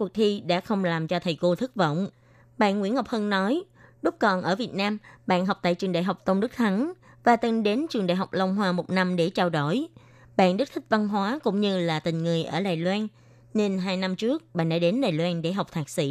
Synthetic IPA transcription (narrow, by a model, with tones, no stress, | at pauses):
ku˨˩t̪ʰi˧ɗa̰ː˧˥xə˧wŋ͡mlaː˨˩mt͡ɕɔ˧t̪ʰə˨˩jko˧t̪ʰɨ˦˥k̚və̰˧˨wŋ͡m | ɓa̰ː˧˨nŋwi˧˥ənhɔ˨˩wk͡p̚hə˧nnɔ˨˦j | ɗʊ˦˥k͡p̚kɔ˨˩nʔəː˧˩vi˨˩ət̚naː˧mɓa̰ː˧˨nɦɔ˨˩k͡p̚t̪a̰ː˧˨jt͡ɕɨ˨˩əŋɗa̰ː˧˨jɦa˨˩wk͡p̚t̪ə˧wŋ͡mɗɨ˦˥k̚t̪ʰa˨˦n | vaː˨˩t̪ɨ˧˩nɗe˨˦nt͡ɕɨ˨˩əŋɗa̰ː˧˨jɦa˨˩wk͡p̚lə˧wŋ͡mɦwaː˧mo˨˩t̚na˧mɗe˧˩t͡ɕaː˧wɗo˧˩j | ɓa̰ː˧˨nɗɨ˦˥t̪ʰi˦˥k̚va˧nɦwaː˨˦kʊ̰˧˥wŋ͡mɲɨ˧laː˨˩t̪ï˨˩ŋ̟ŋɨ˨˩əjʔəː˧˩ɗaː˨˩jlwaː˧n | ne˧nɦaː˧jna˧mt͡ɕɨ˦˥ək̚ɓa̰ː˧˨nɗa̰ː˧˥ɗe˨˦nɗaː˨˩jlwaː˧nɗe˧˩ɦa˨˩k͡p̚t̪ʰaː˨˩k̚sḭ˧˨